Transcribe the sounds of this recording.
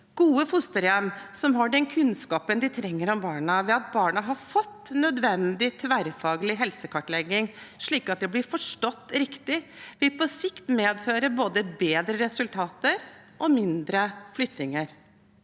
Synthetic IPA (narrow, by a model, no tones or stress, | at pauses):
ɡ̥uːəfʊst̪əɾjɛmːsɔmɦɑɖɛnkʰʉnskɑːpənd̪ɪt̪ʰɾɛŋːəɾɔmbɑːɳɑʋɛɑt̪̚bɑːɳɑɦɑɾfɔt̪ːnœd̪ʋɛnd̪ɪt̪ʰʋæɾfɑːɡəlɪɦɛlsəkʰɑʈɭɛɡːɪŋʂɭiːkɑt̪̚d̪ɛblɪɾfɔʂʈɔt̪ːɾɪkt̪ɪʋɪlpɔsɪkt̪meːd̪føːɾəboːd̪əbeːd̪ɾəɾɛsʉlt̪ʰɑːt̪əɾʔɔmɪnd̪ɾəflʏt̪ɪŋəɾ